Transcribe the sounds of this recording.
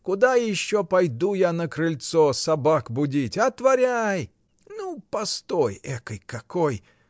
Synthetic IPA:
kʊd̪ajɪɕːopɐjd̪ujanəkɾɨlʲt̪sosɐbakbʊdʲitʲɐt̪vɐɾʲaj | nupɐst̪ojɛkəjkɐkoj

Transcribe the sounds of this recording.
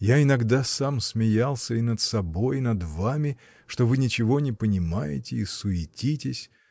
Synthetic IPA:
jaɪnɐɡd̪asamsmʲɪjalˠsʲəɪnət̪sɐbo̞jnɐd̪vamʲɪ | ʂt̪o̞vɨnʲɪt͡ɕɪvo̞nʲɪpənʲɪmajɪ̰tʲɪisʊɪtʲitʲɪsʲ

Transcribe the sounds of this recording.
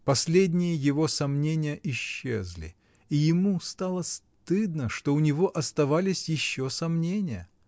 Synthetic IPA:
pɐsʲlʲed̪ʲnʲɪjəjɪvo̞sɐmnʲenʲɪjəʔɪɕːḛzlʲɪ̰ | ijɪmust̪alˠəs | t̪ɨd̪nəʂt̪o̞ʊnʲɪvo̞ʔɐst̪ɐvalʲɪsʲjɪɕːo̞sɐmnʲenʲɪjə̰

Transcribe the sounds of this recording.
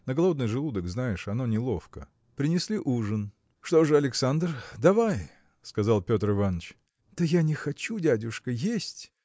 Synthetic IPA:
nəɡɐlˠo̞d̪nɨjʐɨlˠud̪əɡznajɪʂɐno̞nʲɪlˠo̞fkə̰ | pɾʲɪnʲɪsʲlʲiʔuʐɨn | ʂt̪o̞ʐɨɐlʲɪksand̪rd̪ɐvaj | skɐzɑlˠpʲo̞t̪rɨvanːət͡ɕ | d̪̥əjanʲɪxɐt͡ɕudʲadʲʊʂkəjesʲtʲ

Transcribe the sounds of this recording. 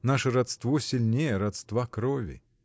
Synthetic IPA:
naʂəɾɐt̪st̪vosʲɪlʲnʲejəɾɐt̪st̪vakɾovʲɪ̰

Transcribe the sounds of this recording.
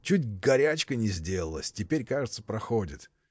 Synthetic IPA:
t͡ɕutʲɡɐɾʲæt͡ɕkənʲɪzʲdʲe̞lˠəlˠəsʲtʲɪpʲeɾʲkaʐɨt̪səpɾɐxodʲɪt̪

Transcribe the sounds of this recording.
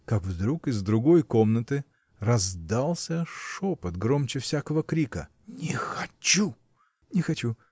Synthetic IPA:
kakvd̪ɾukɨzd̪ɾʊɡo̞jko̞mnət̪ɨ | rɐzd̪alˠsʲəʂopət̪ɡɾomt͡ɕɪfsʲakəvəkɾʲikə̰ | nʲɪxɐt͡ɕu | nʲɪxɐt͡ɕu

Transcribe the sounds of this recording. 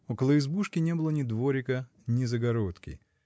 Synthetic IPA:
okəlˠəɪzbuʂkʲɪnʲebɨlˠənʲɪd̪voɾʲɪkə | nʲɪzəɡɐɾot̪kʲɪ̰

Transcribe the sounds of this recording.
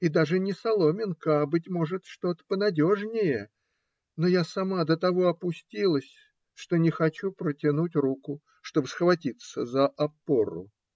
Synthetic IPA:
id̪aʐɨnʲɪsɐlˠo̞mʲɪnkəabɨt̬ʲmo̞ʐɨt̪ʂt̪o̞t̪ə̥pənɐdʲo̞ʐnʲɪjə | no̞jasɐmad̪ət̪ɐvo̞ɐpʊsʲtʲilˠəsʲ | ʂt̪o̞nʲɪxɐt͡ɕupɾətʲɪnutʲrukʊ | ʂt̪o̞bɨsəxvɐtʲit̪səzəʔɐpoɾʊ̰

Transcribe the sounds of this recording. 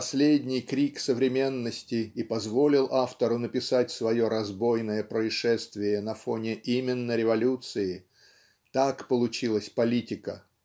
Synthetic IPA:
pɐsʲlʲedʲnʲɪjkɾʲiksəvɾʲɪmʲe̞nːəsʲtʲɪːpɐzvo̞lʲɪlˠʔaft̪əɾʊnəpʲɪsatʲsvɐjo̞ɾɐzbo̞jnəjəpɾəɪʂɛst̪vʲɪjənɐfonʲɪʔimʲɪnːəɾʲɪvɐlʲut̪sɨɪ | t̪akpəlˠʊt͡ɕilˠəsʲpɐlʲitʲɪkə̰

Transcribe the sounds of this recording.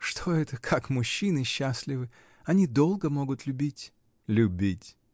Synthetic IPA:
ʂt̪ʰo̞ɛt̪əkʰakmʊɕːinɨɕːasʲlʲɪvɨ | ɐnʲid̪o̞lˠɡəmo̞ɡʊt̪lʲʊbʲitʲ | lʲʊbʲitʲ

